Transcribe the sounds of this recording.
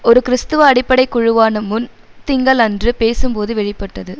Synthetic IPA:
ɔɾɯkɪɾɪst̪ɯʋɐɐɽɪpːɐɽɐɪkːʊɻʊʋaːnɐmʊn | t̪ɪŋɡɐɭɐndrɯpeːsɯmpoːðɯʋɛɻɪpːɐʈːɐðɯ

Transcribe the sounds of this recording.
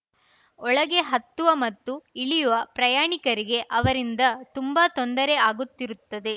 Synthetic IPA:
ɔɭɐɡe̞ɦɐt̪ːuʋɐmɐt̪ːuiɭijuʋɐpɾɐjaːɳikɐɾiɡe̞ʔɐʋɐɾind̪ɐt̪umbaːt̪ond̪ɐɾeaːɡut̪ːiɾut̪ːɐd̪e̞

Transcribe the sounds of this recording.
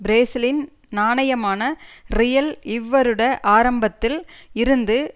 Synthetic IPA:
bɾeːsɐlɪn | naːɳɐjɐmaːnɐrɪjɐlɪʋːɐɾɯɽɐʔaːɾɐmbɐt̪ːɪlɪɾɯnd̪ɯ

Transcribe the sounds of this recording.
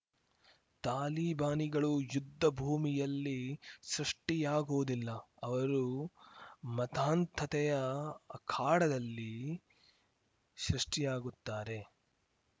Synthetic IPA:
t̪aːliːbaːniɡɐɭujud̪ʱːɐbʱuːmijɐlːisɾɐʂʈijaːɡoːd̪ilːɐɐʋɐɾu | mɐt̪aːnt̪ʰɐt̪ɛjɐɐkʰaːɽɐd̪ɐlːi | ʃɾuʂʈijaːɡut̪ːaːɾe̞

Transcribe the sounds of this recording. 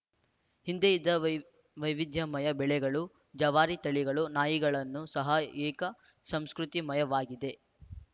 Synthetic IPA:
hind̪ejid̪ːɐ | ʋɐjʋid̪ʱjɐmɐjɐbɛɭɛɡɐɭu | d͡ʒɐʋaːɾit̪ɐɭiɡɐɭunaːjiɡɐɭɐnːusɐɦɐɛːkɐ | sɐmskɾut̪imɐjɐʋaːɡid̪e̞

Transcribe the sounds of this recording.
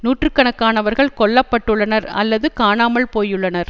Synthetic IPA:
nuːʈrɯkːɐɳɐkːaːnɐʋɐɾɣɐɭkɔɭːɐpːɐʈːɯɭːɐnɐɾɐ̰lːɐðɯkaːnaːmɐɭpoːjɯɭːɐnɐɾ

